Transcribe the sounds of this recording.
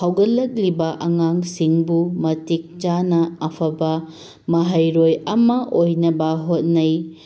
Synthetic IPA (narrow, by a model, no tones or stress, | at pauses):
hawɡɐlːɐk̚libɐʔɐŋaŋsiŋbumɐtik̚t͡ʃanɐɐpʰɐbɐ | mɐɦɐjɾojɐmɐʔojnɐbɐɦot̚nɐj